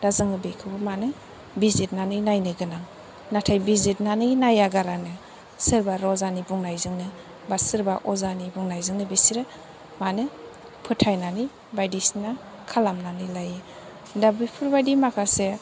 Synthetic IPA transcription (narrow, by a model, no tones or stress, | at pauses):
dazɯŋɯbekʰɯbɯmanɯ | bizit̚nanɯjnajnɯɡɯnaŋ | natʰajbizit̚nanɯnajaɡaɾanɯ | sɯɾbaɾɔzanibuŋnajzɯŋnɯ | basɯɾbaʔɔzanibuŋnajzɯŋnɯbisiɾɯ | manɯ | pʰɯtʰajnani | bajdisna | kʰalamnanilaje | dabɯjpʰuɾbajdimakʰase